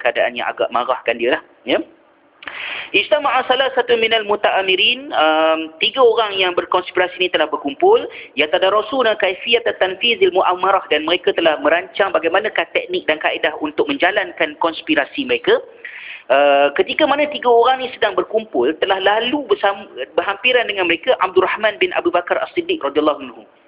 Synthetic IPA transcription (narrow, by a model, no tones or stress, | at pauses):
kəadaʔa̰njã̰ŋʔa̰ɡa̰ʔma̰ɾahkandiəlah | ja | ʔist̪amaʔasalasat̪umĩnalmut̪aʔamiɾinəmt̪iɡaoɾaŋjaŋbərkɔnspiɾasinĩt̪əlahbərkumpʊljat̪adaɾɔsulnakajfiat̪at̪ːanfizilmuʔamaɾɔhdanməɾekat̪əlahmə̃ɾaɲt͡ʃaŋbaɡajmanãkat̪ɛk̚nɪk̚dankaʔedahunt̪ʊk̚mə̃ɲd͡ʒalankankɔnspiɾasiməɾeka | ʔəkət̪ikamanãt̪iɡaoɾaŋnisədaŋbərkumpʊlt̪əlahlalubəsabəɦampiɾandəŋanməɾekaʔa̰b̚d̪urahmãnbɪnʔa̰bubakaɾa̰sidːɪk̚rɔdialːɑhanhu